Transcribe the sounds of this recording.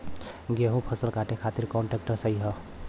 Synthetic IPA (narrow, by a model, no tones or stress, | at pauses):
ɡeɦũpʰəsəlkaʈekʰat̪iɾkɔɳʈek̚ʈəsəjɦə